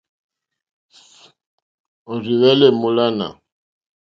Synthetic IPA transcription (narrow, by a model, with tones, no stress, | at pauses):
ɔ˨ri˨βɛ˦lɛ˦mu˨la˦na̰˨